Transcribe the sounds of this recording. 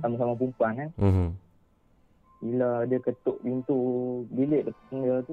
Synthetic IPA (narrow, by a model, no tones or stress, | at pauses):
samas̬amap̬umpana | bilaadəkət̪oʔbint̪ubilɪʔdəpḁsənət̪u